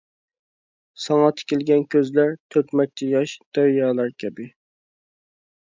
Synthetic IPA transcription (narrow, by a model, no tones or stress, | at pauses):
sɑŋɑt̪ʰɪ̥kʲelɡʲɛnkʲʰøzlæɾt̪ʰøkʲmɛk̚ʲt͡ʃʰɛjɑʃd̪̥æɾjɑːlˠɑɾkʲʰɛbɪ